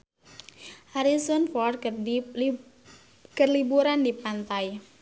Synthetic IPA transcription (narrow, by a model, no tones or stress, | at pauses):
haɾisɔnfɔr | kərlibuɾandipant̪aj